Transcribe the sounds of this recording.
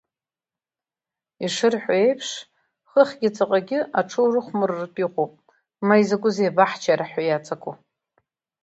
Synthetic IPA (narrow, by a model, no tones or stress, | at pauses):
iʂɨrħʷᶣaejpʰʂ | χəχʲɡʲɪt͡sʼaqʼaɡʲɪʔaʈ͡ʂʰowrɨχʷmɨrːtʼiqʼopʼ | maizakʷʼʊzejbaħt͡ʃʰaɾaħajat͡sʼakʰʼo